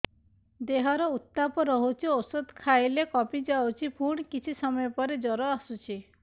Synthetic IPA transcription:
d̪eɦɔɾɔut̪ːapɔɾɔɦut͡ʃʰiosɔd̪kʰajlekɔpid͡ʒawt͡ʃʰipʰuɳ̃kit͡ʃʰisɔmɔjɔpɔɾed͡ʒɔɾɔasut͡ʃʰi

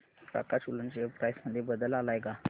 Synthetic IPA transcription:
ka̰kat͡ɕulunt͡ɕepɾajsməd̪ʱːjebəd̪əlalajka

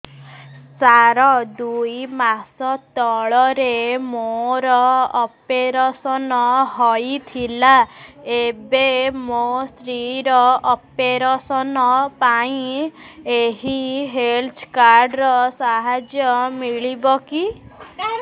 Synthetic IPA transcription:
t͡ʃaɾɔd̪ujmasɔt̪ɔɭɔɾemoɾɔɔpeɾɔsɔnɔɦɔjt̪ʰilaebemosɾiɾɔɔpeɾɔsɔnɔpaĩ | eɦiɦelt̪ʰkaɾɖɾɔsaɦad͡ʒjɔmiɭibɔki

